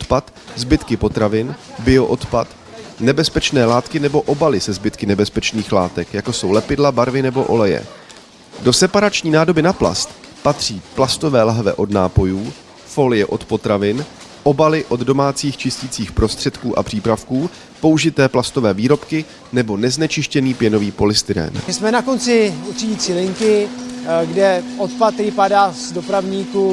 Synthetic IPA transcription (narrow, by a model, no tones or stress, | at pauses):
ot̪pat̪ | zbɪt̪kɪpo̞t̪ɾavɪnbɪo̞ʔo̞t̪pat̪ | nɛbɛspɛt͡ʃnɛːlaːt̪kɪnɛbo̞ʔo̞balɪsɛzbɪt̪kɪnɛbɛspɛt͡ʃniːxlaːt̪ɛkjakosowlɛpɪdlabaɾvɪnɛbo̞ʔo̞̰lɛjɛ̰ | do̞sɛpaɾat͡ʃɲiːnaːdo̞bɪnapla̰st̪ | pat̪r̝̥iːplast̪o̞vɛːlaɦvɛ̰ʔo̞dna̰ːpo̞juː | fo̞lɪjɛʔo̞t̪po̞t̪ɾavɪn | ʔo̞balɪʔo̞ddo̞maːt͡siːxt͡ʃɪscit͡siːxpɾo̞st̪r̥ɛt̪kuːʔa̰pr̥iːpɾafkuː | po̞uʒɪt̪ɛːplast̪o̞vɛːviːɾo̞pkɪ | nɛbo̞nɛznɛt͡ʃɪʃcɛniːpjɛno̞viːpo̞lɪst̪ɪɾɛ̰ːnsmɛnakont͡sɪurɪɟiːt͡siːlɪŋkɪ | ɡdɛʔot̪̚pat̪ɾɪpadaːzdopɾavɲiːku